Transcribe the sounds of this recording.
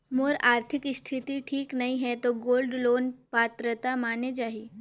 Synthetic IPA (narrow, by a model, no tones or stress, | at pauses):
moɾaɾt̪ʰikst̪ʰit̪iʈʰiːknaɦiɦɛt̪oɡoːlɖloːnpat̪ɾət̪amaned͡ʒaɦiː